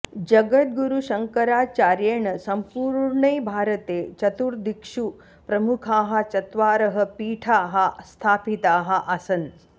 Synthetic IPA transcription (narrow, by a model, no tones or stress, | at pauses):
d͡ʒɐɡɐt̪̚ɡuɾuʃɐŋkɐɾaːt͡ʃaːɾjɐɳɐsɐmpuːɾɾɳɐjbʱaːɾɐt̪eːt͡ʃɐt̪uɾd̪ikʂu | pɾɐmukʰaːɦɐ̆t͡ʃɐt̪ʋaːɾɐɦɐ̆piːʈʰaːɦɐst̪ʰaːpit̪aːɦɐ̆ʔasɐn